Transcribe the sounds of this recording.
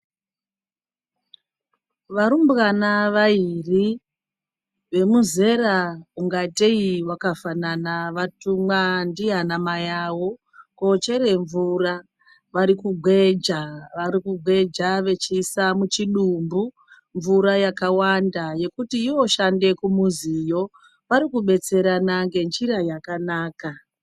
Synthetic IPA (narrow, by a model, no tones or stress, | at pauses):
ʋaɾumbɣanaʋairi | ʋe̞muze̞rauŋɡateiwakafananaʋatumwandianamajawo̞ | kot͡ʃe̞ɾe̞ɱvura | ʋaɾikuɡʱwe̞d͡ʒaʋaɾikuɡʱwe̞d͡ʒaʋe̞t͡ʃisamut͡ʃiɗumbu | ɱvuɾajakawandaje̞kutiio̞ʃande̞kumuzijo̞ | ʋaɾikuɓe̞t͡se̞ɾanaŋɡe̞nd͡ʒiɾajakanaːka